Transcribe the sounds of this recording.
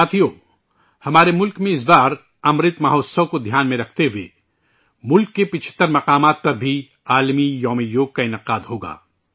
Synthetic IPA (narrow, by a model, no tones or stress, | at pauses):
saːt̪ʰijoː | hɐmaːɾemʊlkmẽɪs̬baːɾ | ɐmɾɪt̪mɐɦoːsɐkod̪ʱjaːnmẽɾɐk̚ʰt̪eɦuwḛː | mʊlkːepɪt͡ʃʰɪ̥t̪ːəɾmɐqaːmaːt̪̚pɐɾbʱi | aːlmijɔːmijoːɡ̚kaɪnɪqaːd̪ɦoːɡa̰ː